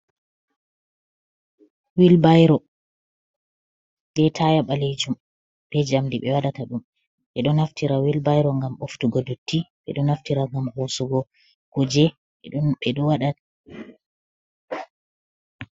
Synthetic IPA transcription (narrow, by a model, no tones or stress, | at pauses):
wilbajɾɔ | ɓɛtʰajaɓaled͡ʒum | bɛd͡ʒamdiɓɛ̰waɗataɗum | ɓɛɗɔnaftiɾawilbajɾɔŋɡamʔoftuɡɔdotːiɓɛ̰ɗɔnaftiɾaŋɡamhosuɡɔ | kud͡ʒɛ | ɓɛɗɔwaɗata